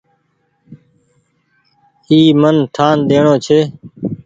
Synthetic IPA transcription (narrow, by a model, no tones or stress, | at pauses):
iːmənʈʰaːnɗ̪eːɳõːt͡ʃʰeː